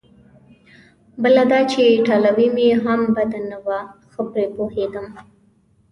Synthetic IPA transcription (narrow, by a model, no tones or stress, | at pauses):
bəlad̪ɑt͡ʃeʈalawimeɦambad̪anawaxəpɾepohed̪əm